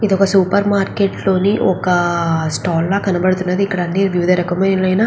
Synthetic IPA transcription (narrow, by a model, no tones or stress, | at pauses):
id̪ɔkɐsupɐɾmaːɾkeːʈlo̞ːniʔɔkɐsʈɔːlːaːkɐnɐbɐɽut̪unːɐd̪iikːɐɽɐnːiʋjuʋid̪ʱɐɾɐkɐmɐjnlɐjnaː